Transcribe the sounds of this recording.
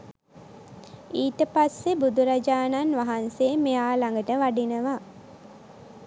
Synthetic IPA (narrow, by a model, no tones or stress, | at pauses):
iːtəpasːebud̪uɾad͡ʒaːnanʋaɦanseːmejaːlaŋɡəʈəʋaɖinəʋa